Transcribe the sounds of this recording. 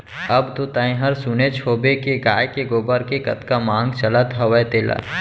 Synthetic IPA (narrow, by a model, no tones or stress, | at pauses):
ɐbt̪ot̪ãːẽɦɐɾsʊnet͡ʃʰoːbekeɡaːjkeɡoːbəɾkekɐt̪kamãːŋɡt͡ʃələt̪ɦɐʋəjt̪eːla̰